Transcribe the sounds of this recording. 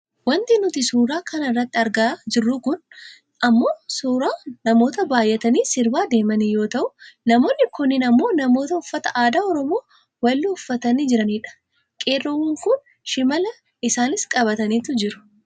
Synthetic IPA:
wɐnt̪ɪnʊt̪ɪsuːɾaːkɐnɐɪrːɐt̪ːɪɐɾɡɐd͡ʒɪrːʊkʊn | ʔɐmːo̞ːsuːɾaːnɐmo̞ːt̪ɐbaːjʔɛt̪ɐniːsɪɾbaːd̪e̞ːmɐnijo̞ːt̪ɐʔʊnɐmo̞ːnːɪkʊnːɪnɐmːo̞ːnɐmo̞ːt̪ɐʊfːɐt̪ɐʔaːd̪aːɔɾɔmo̞ː | wɐlːɪʊfːɐt̪ɐniːd͡ʒɪɾɐniːᶑɐ̥ | kʼeːrːohuŋkʊn | ʃɪmɐlɐ | ɪsaːnɪskʼɐβɐt̪ɐniːt̪ʊd͡ʒɪɾʊ̥

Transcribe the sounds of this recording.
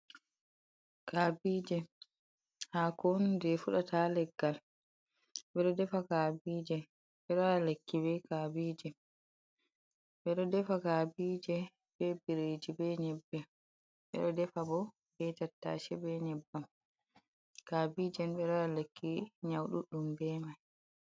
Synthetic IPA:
kaːbid͡ʒɛ | haːkɔndɛfuɗatalɛɡːal | ɓɛɗɔdɛfakabiːd͡ʒɛ | ɓɛɗɔalekːibɛkabiːd͡ʒɛ | ɓɛɗɔdɛfakabiːd͡ʒɛ | bɛbiɾed͡ʒibɛɲɛbːɛ | ɓɛ̰ɗɔdɛfabɔ | bɛtatːa̰ʃɛbɛɲɛbːam | kabiːd͡ʒɛnɓɛɗɔalekːiɲawɗuɗumbɛmaj

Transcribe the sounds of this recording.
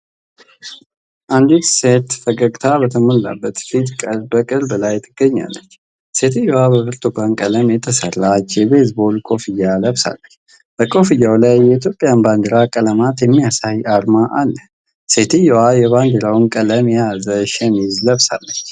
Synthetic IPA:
ʔand̪it̪set̪fəkʼəɡt̪ʰabət̪ʰəməlːa̰bːət̪fit̪kʼəɾbəkʼɨɾblajt̪ʰːɨɡ̥ːəɲːa̰lːə̰t͡ʃː | se̞t̪ʰɨjːowabəbɨɾt̪ʰʼuɡankʼələmjɛt̪ʰəsərːat͡ʃːjɛbesbo̞lkʰʼo̞fijaləβsa̰lːət͡ʃː | b̥əkʼo̞fijːawlajːɛit̪̬ʰjo̞pʼjanband̪əɾakʼələmat̪jɛmːijasajaɾmaʔalːə | se̞t̪ʰɨjowajɛβand̪əɾawnkʼələmjazəʃɛmizləβsa̰lːət͡ʃː

